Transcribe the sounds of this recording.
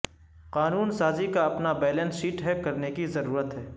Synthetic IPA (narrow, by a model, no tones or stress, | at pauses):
qaːnuːnsaːzikaɐpnabɛːlɛ̃nsiːʈɦɛp̚kɐɾnekizɐɾuːɾət̪ɦɛː